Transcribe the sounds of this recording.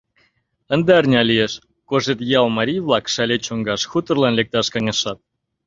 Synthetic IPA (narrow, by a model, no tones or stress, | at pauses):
ə̆nd̪eərnʲɑlijeʃ | koʒet̪jɑlmɑɾʲijβlˠɑkʃælʲet͡ɕoŋɡɑʃxut̪ə̆rlɑnlek̚t̪ɑʃkɑŋʲeʃɑt̪̚